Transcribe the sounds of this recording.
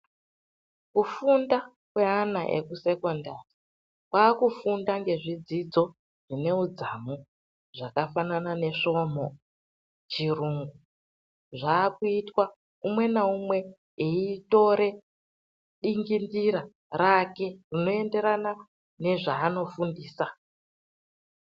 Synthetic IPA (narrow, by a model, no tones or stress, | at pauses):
kufunda | kwe̞anaʔe̞̰kuse̞ko̞ndaːri | kwaːkufundaŋɡe̞ʐid͡zid͡zo̞ | ʐ̥ine̞ud͡zamu | ʐakafananane̞ʂo̞mo̞ | t͡ʃiruːŋɡu | ʐaːkuitwa | umwe̞naumwe̞ | eito̞ɾe̞ | ɗiŋɡindiɾa | rake̞rino̞e̞nde̞ɾana | ne̞ʐaːno̞fundiːsa